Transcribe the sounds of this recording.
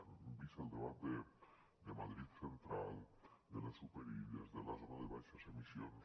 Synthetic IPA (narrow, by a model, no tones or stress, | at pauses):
unubiselˠd̪eβat̪̚d̪e | d̪emaðɾit̪sent̪ɾalˠd̪elesupeɾiʎezðelazonaðeβajʃasemisjon